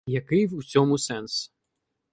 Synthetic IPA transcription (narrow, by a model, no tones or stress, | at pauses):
jakɨut͡sʲɔmusɛns